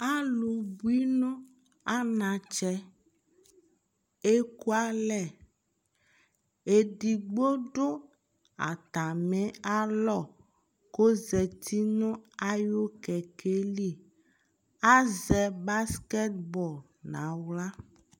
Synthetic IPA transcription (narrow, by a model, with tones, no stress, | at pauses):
a˦lu˨bu˦i˦nõ˦ | a˦nã˨t͡ʃɛ˦ | e˦ku˦a˦lɛ˨ | e˨d̪i˨ɡ͡bo˦ɖo˦ | a̰˨t̪a˨mɛ̃˦a˦lɔ˦˨ | ko˦zɛ˨t̪ʰi˦nɔ̃˦a˦jo˦kɛ˨kʰe˦li˦ | a˦zɛ˨ba˦skɛ˦t̪̚bɔ˨l | nã˨wla˦